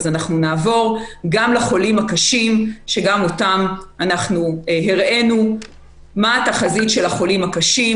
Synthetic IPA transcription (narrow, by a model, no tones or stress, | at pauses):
zanaχnunaːvo̞ʁɡamlaχo̞limakaʃimʃe̞ɡamotamanaχnuɦiʁe̞nu | maːtaχazitʃelaχo̞limhakaʃi